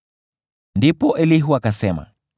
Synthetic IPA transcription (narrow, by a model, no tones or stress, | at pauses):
ndipɔʔɛliɦuakasɛma̰